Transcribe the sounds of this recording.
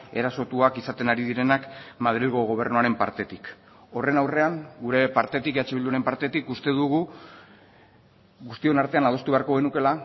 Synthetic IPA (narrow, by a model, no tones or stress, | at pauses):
e̞ɾaso̞t̪uakisat̪e̞naɾiðiɾe̞nakmað̞ɾilɣoɣ̞o̞β̞e̞rnuaɾe̞mpaɾt̪e̞t̪ik | o̞re̞nawre̞aŋɡuɾe̞paɾt̪e̞t̪ikeat͡ʃeβild̪uaɾe̞mpaɾt̪e̞t̪ikust̪e̞ðuɣu | ɣust̪io̞naɾt̪e̞anað̞o̞st̪uβe̞aɾko̞ɣe̞nuke̞la